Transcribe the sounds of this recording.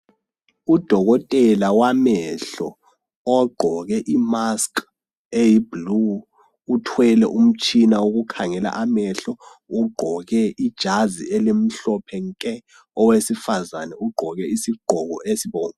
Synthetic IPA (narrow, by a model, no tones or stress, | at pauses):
ud̥ʱɔɣɔtʼɛlawamɛɬɔː | ɡ͡ǃʱɔɣɛʔimask | ejiblu | utʰwɛlɛʔum̩t͡ʃʼinawuɣukʰaŋɛla̰ʔamɛɬɔ | uɡ͡ǃʱɔɣɛʔid̥ʒ̥ʱazḭɛlem̩ɬɔpʰɛŋkʼɛ | ɔwesifazanɛuɡ͡ǃʱɔɣɛisiɡ͡ǃ̥ʱɔɣɔʔesiβɔːŋ